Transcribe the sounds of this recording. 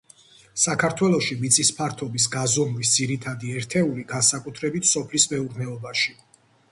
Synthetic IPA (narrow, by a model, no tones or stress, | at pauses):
sakʰaɾt̪ʰwɛlˠɔʃimit̪sʼispʰaɾt̪ʰɔbis̬ɡazɔmlis̬d̪ziɾit̪ʰad̪iɛɾt̪ʰɛuliɡansakʼut̪ʰɾɛbit̪ʰsɔpʰlismɛuɾnɛɔbaʃi